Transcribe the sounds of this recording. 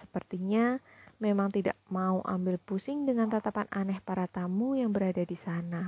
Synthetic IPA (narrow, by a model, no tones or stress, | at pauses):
sə̥pərt̪iɲamemaŋt̪ida̰ʔmauʔa̰mbɪlpusɪŋdəŋant̪at̪apanʔanɛhpaɾat̪amujaŋbəɾadadisana